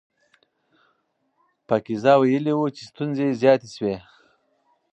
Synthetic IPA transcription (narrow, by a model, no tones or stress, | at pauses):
pakizɑwajəliwut͡ʃest̪unzezjɑt̪eswe